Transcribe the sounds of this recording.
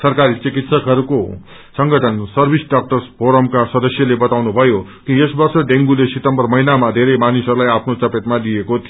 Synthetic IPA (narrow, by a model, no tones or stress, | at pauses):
sʌrkaɾit͡sikit̪sʌkɦʌɾuko | sʌŋɡʌʈʰʌnsʌrbʱisɖak̚ʈʌrspʰoɾʌmkasʌd̪ʌsjʌlebʌt̪awnubʱʌjokiesbʌrsʌɖeŋɡulesit̪ʌmbʌrmʌinamad̪ʱeɾʌjmanisʌɾulajapʰnot͡sʌpet̪mad̪ijekot̪ʰi